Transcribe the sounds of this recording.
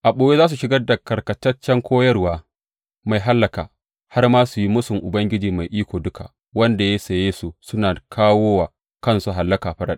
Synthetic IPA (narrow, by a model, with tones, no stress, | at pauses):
ʔa˨ɓoː˨˦je˦aː˦s̬u˨ʃɪ˦ɡɐ˦da˨kɐ˨rkɐ˨tɐ˦t͡ʃːɛ˦ŋkʷoː˦jɐ˦rwaː˦ | ma˨jɦa˦lːɐ˨kaː˨ | ha˦rmaː˦su˨ji˦mʊ˦sʊ˨ŋʔʊ˨bɐ˦ŋɡʲɪ˦d͡ʒiː˨ma˨jʔiː˦kʷoː˨dʊ˦kʰa̰˨ | wɐ˦nda˨je˦sɐ˨jeː˦su˦sʊ˦naː˨kʰaː˦woː˦waː˨ | kɐ˦nsu˨ɦa˨lːɐ˦kaː˨ɸɐ˦ɾa˦ɗ